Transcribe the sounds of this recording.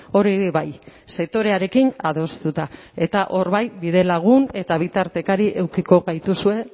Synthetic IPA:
o̞ɾiβajse̞k̚t̪o̞ɾe̞aɾe̞kinaðo̞st̪ut̪a | e̞t̪aʔo̞ɾβajbiðe̞laɣ̞une̞t̪aβ̞it̪aɾt̪e̞kaɾiʔe̞wkiko̞ɣajt̪usue̞

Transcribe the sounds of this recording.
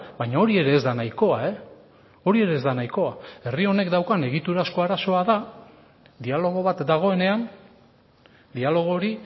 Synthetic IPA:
bajɲao̞ɾie̞ɾe̞ːzd̪anajko̞ae̞ | o̞ɾie̞ɾe̞ːzd̪anajko̞ae̞rio̞ne̞kd̪awkane̞ɣ̞it̪uɾasko̞aɾaso̞aða | d̪ialo̞ɣ̞o̞βat̪d̪aɣ̞o̞e̞ne̞an | d̪ialo̞ɣ̞o̞ɾi

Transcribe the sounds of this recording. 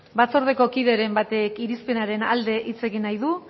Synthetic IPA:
bat͡so̞ɾð̞e̞ko̞kiðe̞ɾe̞mbat̪e̞kiɾispe̞naɾe̞nald̪e̞ʔit͡se̞ɣinajðu

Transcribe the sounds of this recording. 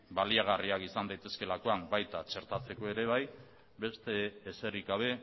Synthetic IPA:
baliaɣ̞ariakisand̪ajt̪e̞ske̞lako̞ambajt̪at͡ʃe̞ɾt̪at͡se̞ko̞e̞ɾe̞β̞aj | be̞st̪e̞ːse̞riɣaβ̞e̞

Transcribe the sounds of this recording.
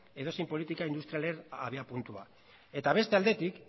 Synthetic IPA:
e̞ðo̞sempolit̪ikaind̪ust̪ɾialeɾaβiapunt̪ua | e̞t̪aβ̞e̞st̪e̞ald̪e̞t̪ik

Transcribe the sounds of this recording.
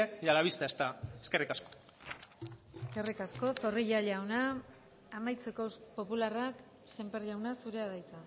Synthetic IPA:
ejalaβ̞ist̪aest̪aeske̞rikasko̥ | eske̞rikasko̞so̞riʎaʎawnaː | majt͡se̞ko̞po̞pularak | se̞mpeɾʎawnasuɾe̞aðajt͡sa

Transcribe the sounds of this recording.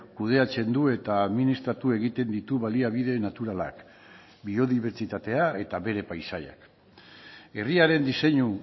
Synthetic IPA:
kuð̞e̞at͡se̞nd̪ue̞t̪aːðminist̪ɾat̪ue̞ɣ̞it̪e̞nd̪it̪uβaliaβ̞ið̞e̞nat̪uɾala̰k | bio̞ðiβ̞e̞ɾt͡ʃit̪at̪e̞ae̞t̪aβe̞ɾe̞pajsaja̰k | e̞riaɾe̞nd̪ise̞ɲu

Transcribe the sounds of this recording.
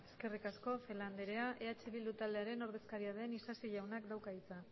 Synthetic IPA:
e̞ske̞rikasko̞fe̞land̪e̞ɾe̞aʔe̞at͡ʃeβilut̪aldeaɾe̞no̞ɾð̞e̞skaɾiað̞e̞nisasiʝawnak̚d̪awkait͡sa

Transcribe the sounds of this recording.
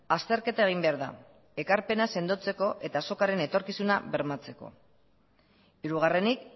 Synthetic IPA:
ast̪e̞ɾke̞t̪ae̞ɣ̞imbe̞aɾða̰ | e̞kaɾpe̞nase̞nd̪ot͡se̞ko̞ʔe̞t̪aso̞kaɾe̞ne̞t̪o̞ɾkisunaβe̞ɾmat͡se̞ko̞̰ | iɾuɣ̞are̞nik

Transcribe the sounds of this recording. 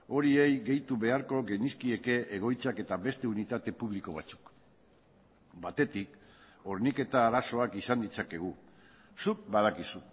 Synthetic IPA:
o̞ɾie̞jɣe̞jt̪uβe̞aɾko̞ɣe̞niskie̞ke̞ʔeɣ̞o̞jt͡sake̞t̪aβe̞st̪e̞unit̪at̪e̞puβ̞liko̞β̞at͡su̥k | bat̪e̞t̪ik | o̞ɾnike̞t̪aːɾaso̞akisand̪it͡sake̞ɣ̞u | suk̚bað̞akisu

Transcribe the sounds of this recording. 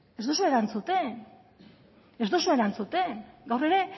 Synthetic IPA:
ezðosue̞ɾant͡sut̪e̞n | e̞zd̪osue̞ɾant͡sut̪e̞nɡawre̞ɾe̞

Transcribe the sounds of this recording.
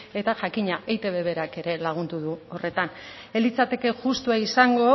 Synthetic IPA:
e̞t̪aʝakiɲaʔejt̪e̞βe̞βe̞ɾake̞ɾe̞laɣ̞und̪uðuo̞re̞t̪an | e̞lit͡sat̪e̞ke̞ʝust̪uaisaŋɡo̞

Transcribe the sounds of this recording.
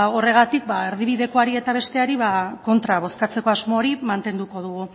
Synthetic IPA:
o̞re̞ɣ̞at̪ik̚bae̞ɾðiβ̞iðe̞ko̞aɾie̞t̪aβe̞st̪e̞aɾiβako̞nt̪ɾaβ̞o̞skat͡se̞ko̞azmo̞ːɾimant̪e̞nd̪uko̞ð̞uɣu

